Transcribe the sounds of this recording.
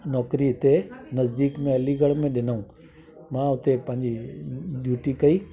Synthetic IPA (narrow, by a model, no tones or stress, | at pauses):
nɔːkɾiɦɪt̪enɐzd̪iːkmẽɐliɡəɽ̃mẽɗɪnəũ | mãːʊt̪epɐ̃ɦɪ̃ɲd͡ʑiɗjuːʈikɐi